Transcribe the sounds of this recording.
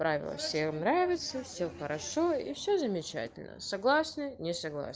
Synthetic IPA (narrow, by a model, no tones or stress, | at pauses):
pɾavʲɪ̰lˠə̰fsʲexnɾavʲɪt̪səfsʲexəɾɐʂoḭfsʲɵzəmʲɪt͡ɕæ̰tʲɪlʲnə̰sɐɡlˠasnɨnʲɪsɐɡlˠa̰s